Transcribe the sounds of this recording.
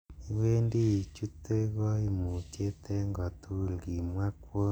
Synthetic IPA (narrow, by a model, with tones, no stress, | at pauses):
i˨˦we˦ndi˦˨t͡ʃu˦te˦ɣɔ˦i˨mu˨t͡ʃe˦tɛ˦ŋɡɔ˨tʰu˦˨lɡi˨mwa˦kwo˦